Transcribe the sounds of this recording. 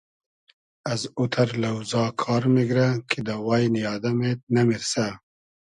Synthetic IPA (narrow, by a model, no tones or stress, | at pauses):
ɐzut̪ʰɐɾlɐwzɑːkʰɑːɾmiɡɾakʰid̪awaːjnijɑːd̪ɐmet̪̚nɐmiɾsa